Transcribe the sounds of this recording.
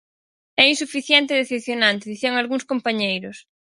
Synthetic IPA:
ɛinsufiθjɛnt̪eðeθepθjonãnt̪eðiθiaŋalɣuŋskompaɲejɾʊs

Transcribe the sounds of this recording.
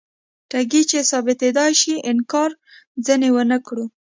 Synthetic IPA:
ʈaɡit͡ʃesɑbɪt̪ed̪ɑjʃiɪnkɑɾ | zənewənəkɽu

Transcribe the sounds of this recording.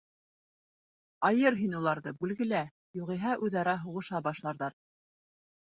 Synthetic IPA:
ɑjɤɾɦinulˠɑɾðɤbʉlɡɘ̆læ | juʁiɦɑʔʉðɑɾæɦuʁɤ̆ʃɑbɑʃlˠɑɾðɑɾ

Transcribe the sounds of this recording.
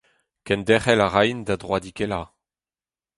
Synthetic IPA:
kɛnd̪ɛχɛlaʁajnd̪ad̪ʁwad̪ikɛla

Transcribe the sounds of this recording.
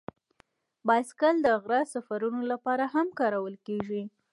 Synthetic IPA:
bɑjskald̪əɣɾɑsafaɾunolapɑɾaɦamkɑɾawəlkeʒi

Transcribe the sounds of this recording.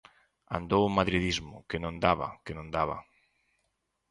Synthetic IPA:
a̰nd̪owʊmaðɾiðizmʊ̰kɪnõnd̪aβɐ̰kɪnõnd̪aβɐ̰

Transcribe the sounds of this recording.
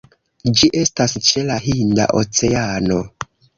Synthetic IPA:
d͡ʒiʔe̞stast͡ʃe̞laɦinda̰ʔo̞t͡se̞ano̞

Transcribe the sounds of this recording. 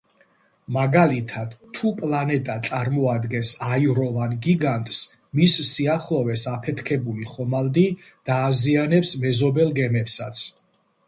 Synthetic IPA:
maɡalit̪ʰad̪̥ʰːupʼlanɛt̪ʼat̪sʼaɾmɔad̪ɡɛnsaiɾɔvanɡiɡant̪ʼs | misːiaχlˠɔvɛsapʰɛt̪ʰkʰɛbuliχɔmald̪i | d̪̥aːzianɛpsmɛzɔbɛlˠɡɛmɛpsa̰t̪sʰ

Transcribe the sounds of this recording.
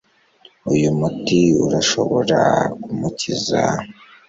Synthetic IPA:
ujumutiuɾaʃo̞βoɾakumuciza

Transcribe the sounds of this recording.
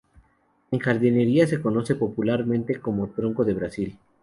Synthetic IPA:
e̞ŋxaɾðine̞ɾiase̞ko̞no̞se̞po̞pulaɾmẽ̞nt̪e̞ko̞mo̞t̪ɾo̞ŋko̞ðe̞βɾasil

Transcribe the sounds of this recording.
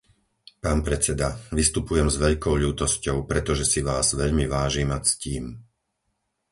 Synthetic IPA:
paːnpɾɛt͡sɛd̪aʋist̪upujɛmzʋɛʎkɔʊʎuːt̪ɔscɔʊpɾɛt̪ɔʒɛsiʋaːzʋɛʎmiʋaːʒiːmasciːm

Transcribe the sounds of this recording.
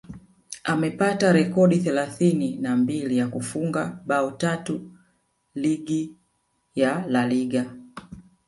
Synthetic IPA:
amɛpataɾɛkɔɗiθɛlaθininambilijakufuŋɡaɓaɔtatu | liɡi | jalaliɡa

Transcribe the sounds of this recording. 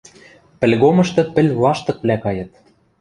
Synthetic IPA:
pɘ̆lʲɣomɤ̆ʃt̪ɤ̆pɘ̆lʲlɑʃt̪ɤ̆k̚βlʲækɑjɤ̆t̪̚

